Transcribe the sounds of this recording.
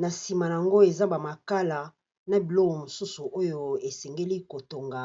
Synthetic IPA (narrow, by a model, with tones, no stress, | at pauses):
na˨si˨ma˨n˨a˨ŋɡo˦e˨za˦ba˨ma˨ka˦la˨ | na˨bi˨lɔ˦ko˨mo˨su˦su˨ʔo˦jo˦e˨sɛ˨ŋɡe˦li˦ko˨to˨ŋɡa˨